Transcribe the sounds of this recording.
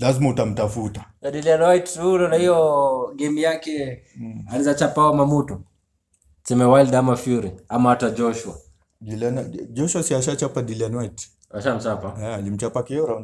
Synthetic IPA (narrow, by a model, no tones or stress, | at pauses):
lazimautam̩tafutḁnaɗilianwaittulɔnahijɔɡɛmijakɛ | alizat͡ʃapawamamutɔ | sɛmɛwaldamafiuɾɛamaatad͡ʒɔʃwa | diland͡ʒɔʃuasiaʃat͡ʃapadilianwait | aʃam̩t͡ʃapaalim̩t͡ʃapakiɔɾa